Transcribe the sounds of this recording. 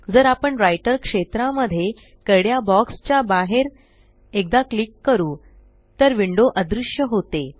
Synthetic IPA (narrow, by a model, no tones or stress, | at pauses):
d͡zəɾapəɳɾajʈəɾkʂet̪ɾãməd̪ʱːje | kəɽjabɔkst͡ɕjabaɦeɾ | ek̚d̪aklikːəɾuː | t̪əɾʋiɳɖoʔəd̪ɾuʂjəɦot̪e